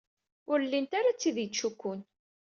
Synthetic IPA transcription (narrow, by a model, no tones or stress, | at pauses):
ʊɾlːint̪aɾat͡sːiðjət͡ʃːukːʊn